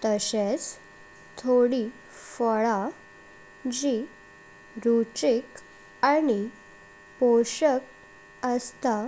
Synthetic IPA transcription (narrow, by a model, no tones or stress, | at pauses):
t̪əɕet͡s | t̪ʰoɽi | fəɭa | d͡ʑi | ɾut͡ɕik | ani | poɕək | əst̪a